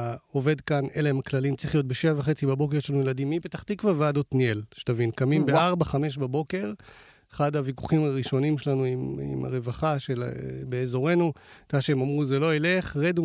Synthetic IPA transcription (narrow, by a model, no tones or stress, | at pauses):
o̞ve̞dkane̞leemaklalimt͡sʁiχjo̞t̚beʃeavaχe̞t͡sibabo̞k̬eʁʃelanujeladimːibet̪aχt̪ikvaveadotnielʃe̥t̪avinkamimbeaʁbaχame̞ʃ̬babo̞ke̞ʁ | eχadaviku̥χimaʁiʃo̞nimʃelanuimḭma̰ʁevaχaʃelbeːzo̞ʁe̞nut̪aʃeemamʁuzelo̞ele̞χʁedu